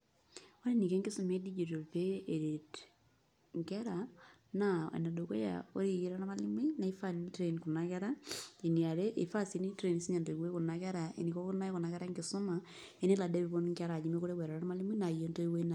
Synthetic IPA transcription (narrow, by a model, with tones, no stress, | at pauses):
o˦ɾe˦ni˨ke˦ŋɡɪ˦su˨me˦di˦d͡ʒi˨to˨lpe˦e˨ɾe˨t | ŋkɛ˦ɾa | naḛ˨na˨do˨ko˦ja̰˨o̰˦ɾi˦ji˨ɾa˦na˦ma˦lɪ˦m˦i˦na˦i˦fa˦ni˦tɾe˨nku˨na˨kɛ˦ɾa˦i˨ni˨a˨ɾe˦ʔi˨fa˦si˦ni˦tɾe˨nsi˦ɲa˨nto˨i˨we˦ku˨na˨kɛ˦ɾa˨ḛ˨ni˨ko˦ku˦na˦kɔ˨na˨kɛ˦ɾa˦ŋɡɪ˨sʊ˦ma˨ | e˦ni˦la˨de˦pi˨bo˦nŋkɛ˦ɾa˨d͡ʒi˨me˦ko˦ɾe˦wɛ˨ɾa˨ɾa˦na˦ma˦li˦mi˦na˨jo˦nto˦i˦we˦na˨